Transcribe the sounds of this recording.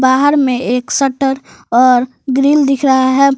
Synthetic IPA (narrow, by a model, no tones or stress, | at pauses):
baːɦəɾmẽeːksəʈəɾɔːɾ | ɡɾiːld̪ɪkʰɾəɦaɦɛ